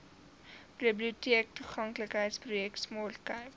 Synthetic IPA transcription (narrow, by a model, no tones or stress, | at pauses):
pribliutiək̚tuχɐŋkləkɦəjtsprujɛktsmoːlkɐjp